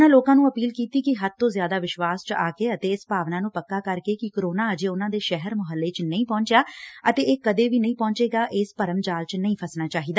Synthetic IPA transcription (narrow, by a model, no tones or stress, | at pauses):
naːloːkãːnũːəpiːlkiːt̪iːkɪɦət̪̚t̪õːzjaːd̪aːʋɪʃʋaːst͡ʃaːkeːət̪eːɪspaːʋnãːnũːpəkːaːkəɾkeːkɪkɾoːnaːəd͡ʒeːʊnãːd̪eːʃɛɦəɾmʊɦəlːeːt͡ʃnəĩːpɔ̃ːɲt͡ʃjaːət̪eːeːkəd̪eːʋiːnəĩːpɔ̃ːɲt͡ʃeːɡaːʔɪːspəɾəmd͡ʒaːlt͡ʃnəĩːpʰəsnaːt͡ʃaːɦiːd̪aː